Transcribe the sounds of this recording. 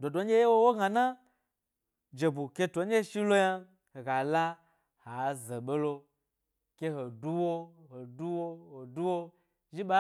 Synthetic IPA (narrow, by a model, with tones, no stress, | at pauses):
do˨do˨˦nʲ˦e˦je˦wo˦wo˦ɡa˨na˦ | d͡ʒe˨bu˨kʲe˧tʷo˨˦ɲʲ˦e˦ʃi˦lo˦ja˧ | ho˨ɡa˨la˦ | ha˨˦ze˨ɓe˦lo˧ | kʲe˧ɦo˨du˦wo˦ho˨du˦wo˦ho˨du˦wo˦ | ʒi˦ɓa˦